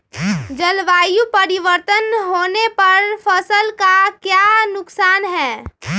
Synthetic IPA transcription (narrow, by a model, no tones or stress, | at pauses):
d͡ʒəlʋaːjupəɾiʋəɾt̪ənɦoːnepɐɾfʰəsəlkakjanʊksaːnɦɛː